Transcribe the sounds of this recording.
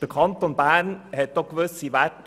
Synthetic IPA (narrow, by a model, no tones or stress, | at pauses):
əkʰɑnt̪ɔnbæːɳhɛt̪ːɔkʋəsiʋæʈ